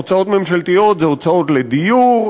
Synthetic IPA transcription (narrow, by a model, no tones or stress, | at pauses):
ot͡sao̞t̪me̞mʃalt̪ijo̞t̪zeot͡sao̞t̪led̪ijuʁ